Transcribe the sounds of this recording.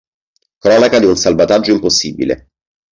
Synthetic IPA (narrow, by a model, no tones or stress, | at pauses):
kɾɔːnakad̪iunsalvat̪ad͡ʒːoimposːiːbḭlḛ